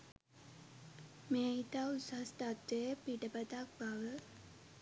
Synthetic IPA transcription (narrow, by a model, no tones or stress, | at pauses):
meːit̪ausast̪at̪ɾəjəpiʈəpət̪ak̚baʋə